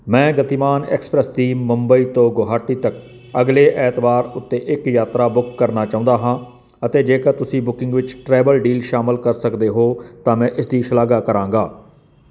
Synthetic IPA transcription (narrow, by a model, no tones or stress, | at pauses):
mɛ̃ːɡət̪iːmaːnɛ̰ːkspɾəsd̪iːmʊmbəiːt̪õːɡoːɦaːʈiːt̪ək | əɡleːʔɛːt̪baːɾʊt̪ːeːʔɪkjaːt̪ɾaːbʊkːəɾnaːt͡ʃaːʊ̃nd̪aːɦãː | ət̪eːd͡ʒeːkəɾt̪ʊsĩːbʊkɪ̃ŋɡʋɪt͡ʃʈɾɛːbəlɖiːlʃaːmɪlkəɾsəkd̪eːɦoːt̪ãːmɛ̃ːʔɪsd̪iːʃəlaːɡaːkəɾãːŋɡaː